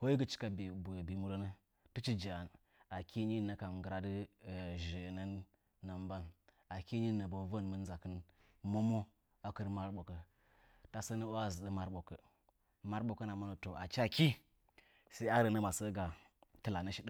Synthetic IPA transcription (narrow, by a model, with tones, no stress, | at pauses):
ho˦ji˦ɡə˦t͡ʃi̥˦ka˦bbbi˨mu˦ɾo˦nə˦ | tə˦t͡ʃi˦d͡ʒa˨a˨n | a˨kʰi˦ɲi˦nə˨ka˨mɡə˨ɾa˦də˦˨ʒə˨na˦nː | a˨mba˦n | a˨ki˦ɲi˦nə˨bo˨və˦n˨mə˦n˦za˨kə˦n | mo˦mo˦ | a˨kə˦ɾma˦ɾɓo˨kə˨ | ta˨sə˦nə˦o˦a˦zə˨ɗə˦ma˦ɾɓo˨kə˨ | ma˦ɾɓo˨kə˦na˨ma˦no˨to˨ʔa˨t͡ʃa˦ki˦ | sa˦i˦a˦ɾə˨nə˦ma˨sə˦ɡa˨ | tɨ˨la˨nə˦ʃi˦də˦